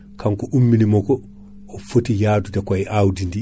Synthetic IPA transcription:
kʰaŋkɔʔumːinimɔkɔː | fotijaːdudakajʔawdindi

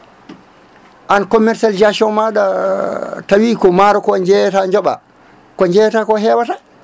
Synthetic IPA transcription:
ʔankɔmɛɾsald͡ʒasɔnmaɗa | tawikɔmaɾɔkɔɲd͡ʒɛtaɲd͡ʒɔɓa̰ | kɔɲd͡ʒɛtakɔɦɛwata

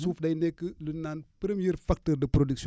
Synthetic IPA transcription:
suːfdɐjnɛkːəlunːanpəɾəmjiɾfak̚tərdəpɾodiks

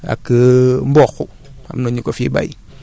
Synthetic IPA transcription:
a̰kəmbɔxu | a̰mnoɲukofiba̰ji

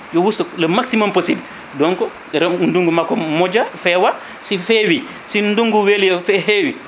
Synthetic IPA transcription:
jowustulɐmaksimomposibl | dɔŋkɔ | ɾɛunduŋɡumakɔmɔd͡ʒafɛwa | sifewi | sinduŋɡuweljɔfɛhewi

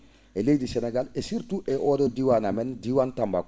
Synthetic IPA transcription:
elejdiseneɡalesiɾtuʔɛʔoːdodiwanamɛndiwantamba̰k

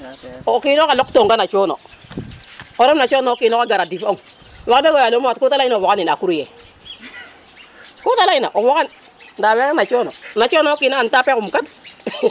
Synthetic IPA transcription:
kiːnokalɔktoŋkanat͡ʃono̰ | oɾɔmnat͡ʃɔnokinaɡaɾadifoŋ | wakdekojalomatkutalainaβɔkaninakuɾujɛ̰ | kutalaina̰ʔoβɔkan | dawekanat͡ʃononat͡ʃɔnokinaantapekumkat

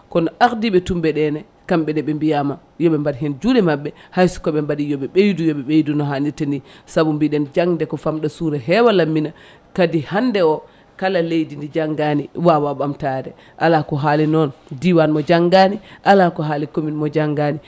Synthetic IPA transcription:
kɔnɔʔaɾdiɓɛtumbɛɗɛnɛ | kamɓɛdɛɓɛmbijama | jɔɓɛmbadiɦɛnd͡ʒudɛmaɓːɛhajsu̥kɔɓɛmbadijɔɓɛɓejdujɔɓɛɓejdunɔɦanitandisabumbiɗɛnd͡ʒaŋdɛkɔfamɗɔsuɾɛɦɛwalamːina | kadihandɛɔ | kalalejdindid͡ʒaŋɡaniwawaɓamtadɛ | ʔalakɔɦalinɔndiwanmɔd͡ʒaŋɡaniʔalakɔɦalikominmɔd͡ʒaŋɡani

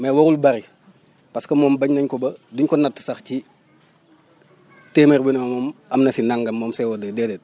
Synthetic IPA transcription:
mɛwɔɾulbɐɾi | pɐskɐmɔːmbɐɲnɐɲkɔbɐduɲkɔnɐtːə̥sɐxci | teːmerbinmɐmɔːmɐmnɐsinaŋɡɐmːɔːmsɛwɔdədɛdɛt̚

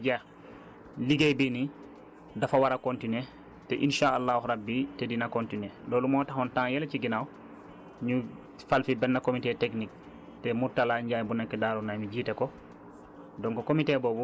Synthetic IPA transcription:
ɟa | liɡejbini | dafawaɾakontine | tɛʔinʃaalːawhɾabːitedinakontineloːlumoːtahontãŋjeleciɡinaw | ɲu | falfibɛnːakomiteteknik̚ | temuɾtalaɲɟaːjbunɛkːɛdaːɾunajmiɟiːteko | dɔŋkokomiteboːbu

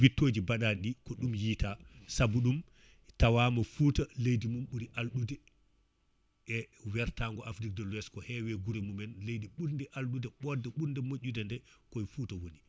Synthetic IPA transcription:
witːoːd͡ʒibaɗaɗikɔɗumjiːtasabuɗum | tawaːmɔfuːtalejdimumɓuɾiʔalɗudɛ | ɛwɛɾtaŋɡɔʔafɾik̚dɔlwɛskɔhɛwɛɡuɾɛmumɛnlejdiɓuɾndɛʔalɗudɛɓɔɾdɛɓuɾndɛmoʔʲːudɛndɛkɔjfuːtawoni

